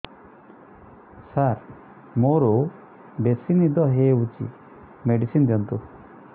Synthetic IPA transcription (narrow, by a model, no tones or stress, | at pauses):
saɾ | moɾo | ɖesinid̪ɔɦeut͡ʃḭ | meɖisind̪jɔnt̪u